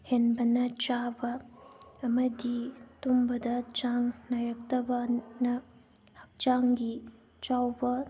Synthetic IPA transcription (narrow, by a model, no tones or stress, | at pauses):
henbɐnɐt͡ʃabɐ | ɐmɐditumbɐdɐt͡ʃaŋnajɾɐk̚tɐbanɐ | hɐk̚t͡ʃaŋɡi | t͡ʃawbɐ